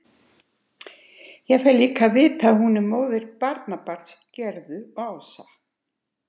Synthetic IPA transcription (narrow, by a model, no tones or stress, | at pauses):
jɛɣfɛliːkʰavɪːt̪aðhunɪmoːwvɪɾpaɾt̪napaɾ̥t̪s | cɛɾðʏɔawsa